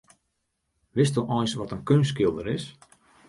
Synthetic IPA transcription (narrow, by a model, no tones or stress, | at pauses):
ʋɪstuʔɔjnsʋɔtənkønskɪlˠdəɾɪs